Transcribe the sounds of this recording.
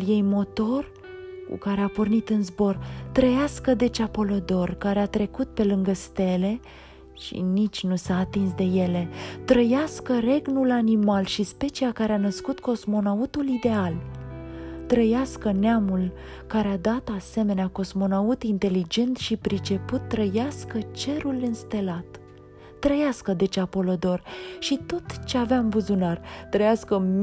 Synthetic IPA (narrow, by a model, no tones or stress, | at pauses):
lje̞jmo̞t̪o̞r | kṵkaɾeapornit̪ɨnzbo̞rt̪ɾəjaskəd̪e̞t͡ʃapo̞lod̪o̞rkaɾeat̪ɾe̞kut̪̚pe̞lɨŋɡəst̪e̞le̞ | ʃḭnit͡ʃʲnusaːt̪ins̬d̪e̞je̞le̞t̪ɾəjaskəre̞ɡnulanimalʃispe̞t͡ʃiakaɾeanəskut̪ko̞smo̞naut̪ulid̪e̞al | t̪ɾəjaskəneamul | kaɾead̪at̪ase̞me̞neako̞smo̞naut̪int̪e̞lid͡ʒe̞nt̪ʃipɾit͡ʃe̞put̪ːɾəjaskət͡ʃe̞ɾulɨnst̪e̞lat̪ː | ɾəjaskəd̪e̞t͡ʃapo̞lod̪o̞rʃit̪o̞t̪t͡ʃe̞aveamvuzunart̪ɾəjaskəm